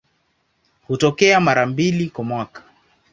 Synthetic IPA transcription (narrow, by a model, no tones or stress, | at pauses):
hutɔkɛamaɾambilikwamwakḁ